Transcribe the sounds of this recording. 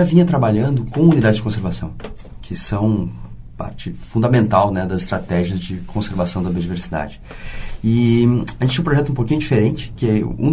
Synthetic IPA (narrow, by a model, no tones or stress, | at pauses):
avĩɲɐt̪ɾabaʎɐ̃nd̪ʊkõw̃unid̪ad͡ʒɪzd͡ʒɪkõs̬eɾvasɐ̃w̃ | kʰɪsɐ̃w̃pa̰ɾt͡ʃɪfũnd̪ɐmẽnt̪awnɛd̪ɐzɪst̪ɾat̪ɛʒiɐzd͡ʒɪkʰõseɾvasɐ̃w̃d̪ɐbiod͡ʒiveɾsid̪a̰d͡ʒɪ | ɪaʒẽt͡ʃẽũpɾoʒɛt̪ʊũpokĩɲʊd͡ʒifeɾẽnt͡ʃɪ̥kɛṵ̃